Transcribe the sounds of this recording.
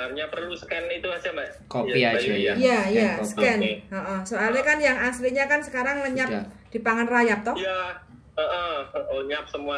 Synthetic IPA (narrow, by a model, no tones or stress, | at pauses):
arɲapərlusəkɛnit̪uasambakopiajajasə̥kɛnɔʔɔsoalɲakanjaŋasliɲakansə̥kaɾaŋləɲa | d̥ipaŋanrajap̚t̪ɔhja | əʔələɲap̚səmua